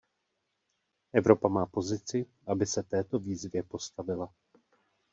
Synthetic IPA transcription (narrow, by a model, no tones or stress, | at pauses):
ʔɛvɾo̞pamaːpo̞zɪt͡sɪʔabɪsɛt̪ɛːt̪o̞viːzvjɛpo̞st̪avɪla